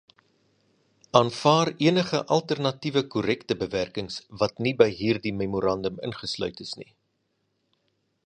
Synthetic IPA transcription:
ɑːnfɑːriənəχəʔɐlˠtərnɐtivəkuɾɛktəbəværkəŋsvɐtnibəjɦiːrdimemuɾɐndəmə̰nχəslœ̰ɥtəsnḭ

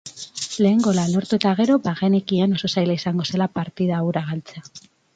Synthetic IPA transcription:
le̞ːŋɡo̞lalo̞ɾt̪ue̞t̪aɣ̞e̞ɾo̞baɣenekiano̞so̞sajlaisaŋɡo̞se̞lapaɾt̪iðawɾaɣalt͡sea

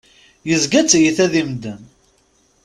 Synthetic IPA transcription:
jəzɡæt͡sːjəθæðimd̪ən

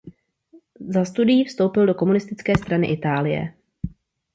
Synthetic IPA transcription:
zast̪udɪjiːfst̪o̞wpɪldoko̞munɪst̪ɪt͡skɛːst̪ɾanɪ̰ʔɪt̪aːlɪjɛ̰

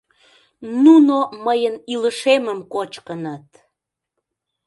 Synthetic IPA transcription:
nunoməjəniləʃeməmkot͡ɕkənət̪̚

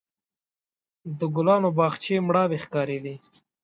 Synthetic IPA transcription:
d̪əɡʊlɑːnobɑːxt͡ʃemɽɑwexkɑːɾedi

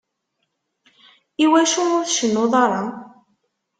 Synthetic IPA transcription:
iwæʃuʊɾθʃənːʊðˤɑɾˤɑ

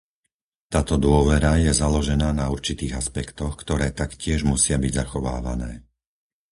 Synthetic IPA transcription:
t̪aːt̪ɔd̪ʊɔʋɛɾajɛzalɔʒɛnaːnauɾt͡ʃit̪iːɣaspɛkt̪ɔxkt̪ɔɾɛːt̪akcɪɛʒmusɪabiɟzaxɔʋa̰ːʋa̰nɛ̰ː

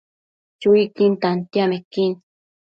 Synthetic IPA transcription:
t͡ʃuikint̪ant̪jamekin

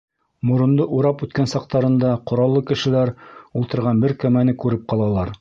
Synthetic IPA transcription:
mŏɾŏnd̪ɤʔuɾɑpʉt̪kænsɑq̚t̪ɑɾɤ̆nd̪ɑqŏɾɑlˠːɤkɘ̆ʃɘ̆læɾulˠt̪ɤ̆ɾʁɑnbɘɾkæmænɘkʉɾɘp̚qɑlˠɑlˠɑɾ

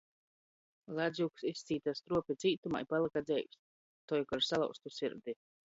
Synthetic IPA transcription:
lˠad̪zʲjuksist̪sʲiːt̪ast̪ɾuɔpʲit̪sʲiːt̪uma̰jpalˠɨkad̪zɛjs | t̪ɔjkɔɾsalˠa̰wst̪usʲiɾd̪i

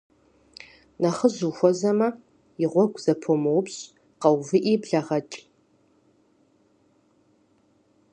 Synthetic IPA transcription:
nɐχəzuxʷɔzɐmɐ | jɪʁʷɔɡʷz̥ɐpʰomɐwpɕʼ | qɐwvɨʔiːbɮɐʁɐt͡ʃʼ

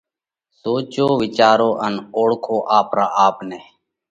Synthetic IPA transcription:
soːt͡ʃoːʋɪt͡ʃaːɾoːʔənoːɽkʰoːʔaːpɾaːaːpnɛː

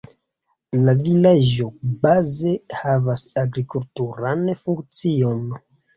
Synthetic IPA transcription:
lavilad͡ʒo̞baze̞havasaɡɾikultuɾanfuŋkt͡sio̞n

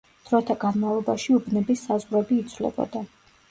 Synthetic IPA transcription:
d̪̥ɾɔt̪ʰaɡanmavlˠɔbaʃiubnɛbisːazʁɾɛbiːt̪sʰvlɛ̰bɔ̰d̪a

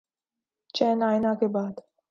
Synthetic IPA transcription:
t͡ʃɛːnaːjnakebaːd̪

